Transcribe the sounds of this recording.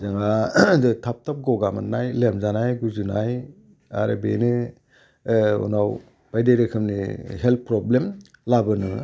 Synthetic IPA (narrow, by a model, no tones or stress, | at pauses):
zaŋazɯtʰap̚tʰap̚ɡɔɡama̰nnajlemzanajɡuzuna̰j | a̰ɾḛbenɯ | ṵnaw | b̥ajdejɾekʰɯmniɦelt̚pɾɔblem | labɯnɯ